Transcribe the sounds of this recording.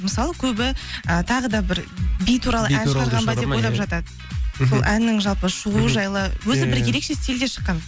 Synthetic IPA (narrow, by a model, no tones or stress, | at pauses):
məsɑlˠəkʲʰɵbɪət̪ʰɑʁəd̪ɑbɪɾbijt̪ʰuɾɑlˠəʔænʃɑɾʁɑnbɑd̪epo̞jlˠɑpʒɑt̪ɑd̪ə | solˠʔænːɪŋʒɑlˠpəʃəʁuʒɑjlˠəwɵzɪbɪɾje̞ɾe̞kʃe̞st̪eld̪e̞ʃə̥qːɑn